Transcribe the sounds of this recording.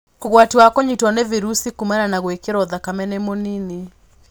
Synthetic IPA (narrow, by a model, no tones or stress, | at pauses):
koɣwatiwakoɲitwɔneviɾusikumɛɾanaɣwekeɾɔðakamɛnemonini